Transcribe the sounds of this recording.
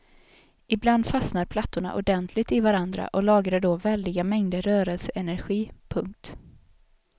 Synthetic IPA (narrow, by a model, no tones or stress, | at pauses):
ɪbland̪fasnaɾpʰlat̪ːʊɳa̰ʔʊ̰ɖɛnt̪ʰlɪt̪ɪvaɾand̪ɾa̰ʔɔlɑːɡɾaɖɔvɛld̪ɪɡamɛŋd̪əɾœːɾɛlsəʔɛnæɾɧiːpʰɵŋk̚t̪